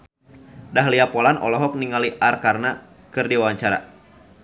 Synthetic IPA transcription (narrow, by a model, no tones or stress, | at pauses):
daɦliapɔlanʔɔ̰lɔɦɔk̚niŋaliʔarkarna | kɨrdiwaɲt͡ʃaɾa̰